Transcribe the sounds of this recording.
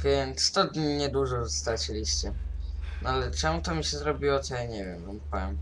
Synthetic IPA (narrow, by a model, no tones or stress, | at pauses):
vʲjɛnt̪sst̪ɔd̪ʲɲiɲɛd̪uʐɔzɔst̪at͡ɕɛlʲiɕt͡ɕɛnɔalɛt͡ʂɛmut̪ɔmʲiɕɛzɾɔbʲiwɔt̪ɔjaɲɛvʲjɛmzɔmpɔwɛ̰m